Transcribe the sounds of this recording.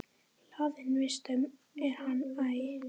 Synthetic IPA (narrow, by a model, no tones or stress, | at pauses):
laːðɪnvɪst̪œm | ɛɾhanːaj